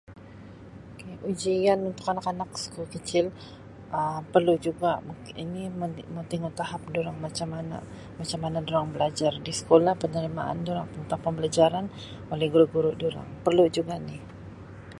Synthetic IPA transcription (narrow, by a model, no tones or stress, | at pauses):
ookeʔud͡ʒianunt̪ʊkanakanaksə̥kulkət͡ʃɪl | ʔəpərlud͡ʒuɡamukinimmont̪iŋut̪aɦap̚duɾaŋmat͡ʃamana̰ | mat͡ʃamːanadoɾaŋbəlad͡ʒardisə̥kolahpənəɾimaʔa̰nduɾaŋpəŋut̪apambəlad͡ʒaɾan | olɛhɡuɾuʔɡuɾʊʔduɾa̰ŋpərlud͡ʒuɡanɪh